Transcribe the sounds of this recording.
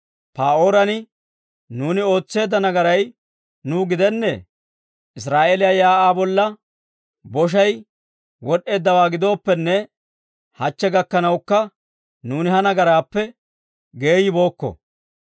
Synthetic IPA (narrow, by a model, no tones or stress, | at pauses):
paːoːɾɐnɪ | nuːnɪo̞ːt͡sːe̞ːd̪ːɐnɐɡɐɾɐj | nuːɡɪd̪ɛnːɛ̰ | ʔɪs̬ɾaːʔeːlɪjaːjaːʔaːbɔlːɐ | bɔʃ̬ɐj | wɔɗe̞ːd̪ːɐwaːɡɪd̪o̞ːpːɛnːɛ | hɐt͡ʃːɛɡɐkːɐnɐwkːɐ | nuːnɪhɐnɐɡɐɾaːpːɛ | ɡe̞ːjɪbo̞ːkːɔ̰